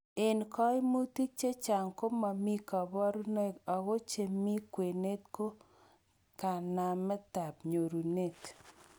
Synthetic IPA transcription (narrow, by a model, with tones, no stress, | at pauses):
ɪ˨nkɔ˦jmu˦ti˦k̚t͡ʃe˦t͡ʃa˨ŋko˦ma˨mi˦kɔ˨bɔ˦ɾne˦ɔ˨ɣo˦t͡ʃe˨mi˦kwe˨ne˦t̪̚ko˦ | ka˨na˨mɛ˦ta˨pɲo˨ɾu˨ne˦˨t̪